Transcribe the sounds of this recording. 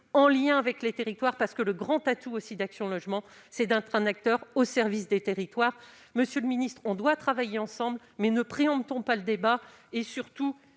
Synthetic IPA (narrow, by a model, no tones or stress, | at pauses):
ɑ̃ljɛ̃avɛklet̪eʁit̪waʁpaʁsə̥kələɡʁɑ̃t̪at̪uosid̪aksjɔ̃lɔʒmɑ̃sɛd̪ɛ̃t̪χɛ̃nak̚t̪œʁosɛʁvisd̪et̪eʁit̪waʁ | məsjøləminist̪χɔ̃d̪wat̪χavajeɑ̃sɑ̃bl | mɛnəpχeɑ̃bt̪ɔ̃paləd̪eba | esyʁt̪u